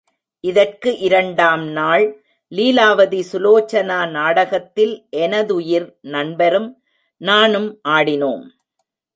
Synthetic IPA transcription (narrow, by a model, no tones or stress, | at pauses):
ʔɪðɐrkɯʔɪɾɐɳɖaːmnaːɭ | liːlaːʋɐðisʊloːt͡ʃːɐnaːnaːɽɐɣɐt̪ːɪlʔɛnɐðʊjɪɾnɐɳbɐɾɯm | naːnɯmʔaːɽɪnoːm